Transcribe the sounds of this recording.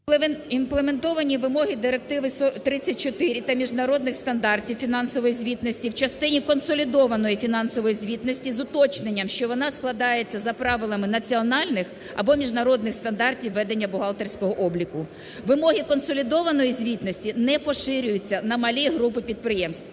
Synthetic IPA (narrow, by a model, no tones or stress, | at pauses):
inplˠement̪ɔʋɐnʲiʋɪmɔɦʲid̪ɪɾek̚t̪ɪʋɪsɔt̪ɾɪt͡sʲːɐt̚ʲt͡ʃɔt̪ɪɾʲit̪ɐmʲiʒnɐɾɔd̪̚nɪxst̪ɐnd̪ɑrtʲiwfʲinɑnsɔʋɔjizʲʋʲit̪nɔsʲtʲiwt͡ʃɐst̪ɪnʲikɔnsɔlʲid̪ɔʋɐnɔjifʲinɑnsɔʋɔjizʲʋʲit̪nɔsʲtʲizʊt̪ɔt͡ʃnenʲːɐmʃt͡ʃɔʋɔnɑsklˠɐd̪ɑje̞t͡sʲːɐzɐpɾɑʋɪlˠɐmɪnɐt͡sʲiɔnɑlʲnɪx | ɐ̰bɔmʲiʒnɐɾɔd̪nɪxst̪ɐnd̪ɑrtʲiwːɛd̪e̞nʲːɐbʊɦɑlˠt̪ersʲkɔɦɔʔɔblʲikʊ | ʋɪmɔɦʲikɔnsɔlʲid̪ɔʋɐnɔjizʲʋʲit̪nɔsʲtʲinɛpɔʃɪɾʲʊjʊt͡sʲːɐnɐmɐlʲijɦɾup̬ɪpʲid̪̚pɾɪjɛmst̪ʋ